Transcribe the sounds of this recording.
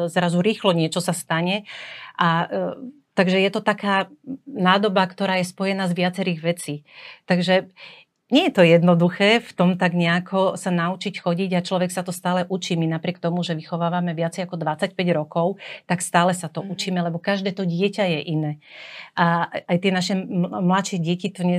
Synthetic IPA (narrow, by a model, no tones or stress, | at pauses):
zɾazuɾiːxlɔɲɪɛt͡ʃɔsast̪aɲɛʔa | t̪aɡʒɛjɛt̪ɔt̪akaːnaːd̪ɔbakt̪ɔɾaːjɛspɔjɛnaːzʋɪat͡sɛɾiːɣʋɛt͡siːt̪aɡʒɛ | ɲɛjɛt̪ɔjɛd̪nɔd̪uxɛːft̪ɔmt̪aɡɲɛakʰɔsanaut͡ʃicxɔɟiɟat͡ʃlɔʋɛksat̪ɔst̪aːlɛʔut͡ʃiːminapɾɪɛkt̪ɔmuʒɛʋixɔʋaːʋamɛʋɪat͡sɛjakɔd̪ʋat͡sacpɛɟɾɔkɔʊt̪akst̪aːlɛsat̪ɔʔut͡ʃiːmɛlɛbɔkaʒd̪ɛːt̪ɔɟɪɛcajɛʔinɛːʔaajt̪ɪɛnaʃɛmlat̪ʃɛɟɪɛcit̪ɔɲɛ